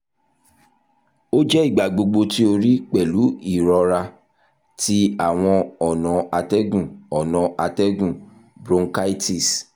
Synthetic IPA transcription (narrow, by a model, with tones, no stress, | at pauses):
o˦d͡ʒɛ˦i˦˨ɡ͡ba˨ɡ͡bo˧ɡ͡bo˧ti˦o˧ɾi˦k͡pɛ˨lu˨˦i˦˨ɾɔ˧ɾa˧ | ti˦a˦˨w̃ɔ̃˧ɔ˨nã˨a˧tɛ˦ɡũ˦˨ɔ˨nɔ̃˨˧ʔa˧tɛ˦ɡũ˦˨ | bɾõ˧ŋka˦i˦ti˦˨s